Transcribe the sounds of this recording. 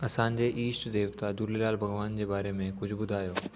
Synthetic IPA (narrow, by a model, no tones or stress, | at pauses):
ɐsãːnd͡ʑeʔiːsʈd̪eːʋt̪ad̪uɾlelaːlbʱɐɡʋaːnd͡ʑebaːɾemẽkʊt͡ʃʰbʊd̪ʱaːjoː